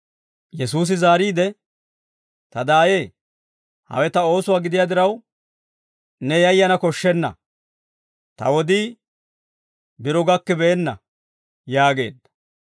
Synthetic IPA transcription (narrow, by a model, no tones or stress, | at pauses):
jɛs̬uːs̬ɪzaːɾiːd̪ɛ | t̪ɐd̪aːjeː | hɐ̰wɛt̪ɐo̞ːsʊwaːɡɪd̪ɪjaːd̪ɪɾɐw | nɛjɐjːɐnɐkɔʃːɛnːɐ̰ | t̪ɐ̰wɔd̪iː | bɪɾɔɡɐkːɛbɛːnːɐ̰ | jaːɡe̞ːd̪ːɐ̥